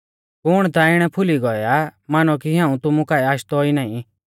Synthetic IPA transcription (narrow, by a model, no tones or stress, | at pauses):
kʊɽ̃t̪aɪɽ̃ɛpʰʊliɡɔjamanɔkiɦãũt̪ʊmũkaːiaːʃt̪ɔinaːĩ